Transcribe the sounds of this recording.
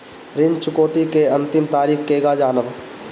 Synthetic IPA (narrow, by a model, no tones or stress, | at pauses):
ɾɪnd͡ʒt͡ʃʊkoːt̪ikeɐ̃nt̪ɪmt̪aːɾiːxkeːɡad͡ʒaːnəb